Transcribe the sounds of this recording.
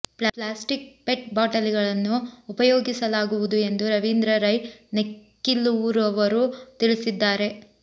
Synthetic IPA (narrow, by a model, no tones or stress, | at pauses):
plaːsʈik̚peʈ̚baːʈɐliɡɐɭɐnːuːpɐjoːɡisɐlaːɡuʋud̪ue̞nd̪uɾɐʋind̪ɾɐɾɐjnekː | ilːuuɾɐʋɐɾut̪iɭisid̪ːaːɾe̞